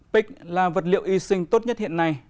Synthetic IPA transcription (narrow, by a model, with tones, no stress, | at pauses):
pï˦˥k̟̚laː˨˩və˨˩t̚lḭ˧˨əwʔi˧sï˧ŋ̟t̪o˦˥t̚ɲə˦˥t̚hḭ˧˨ənːa˨˩j